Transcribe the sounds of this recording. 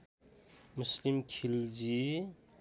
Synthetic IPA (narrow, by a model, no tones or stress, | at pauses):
muslimkʰild͡ʒi